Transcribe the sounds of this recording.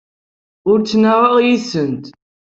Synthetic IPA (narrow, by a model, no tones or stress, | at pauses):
ʊɾt͡sːnaʁɑʁjisənt̪